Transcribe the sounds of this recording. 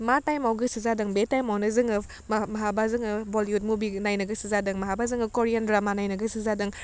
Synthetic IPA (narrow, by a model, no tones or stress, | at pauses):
matajmawɡɯsizadɐŋbetajmawnɐzɯŋɯ | mmɐɦabazɯŋɯboliut̚mubinajnɐɡɐsizadɯŋmɐɦabazɯŋɯkoɾijandɾamanajnɐɡɐsizadɯŋ